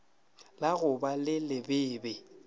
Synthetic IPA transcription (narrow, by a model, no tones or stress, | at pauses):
laɣʊbalɪlɪbɪːbɛ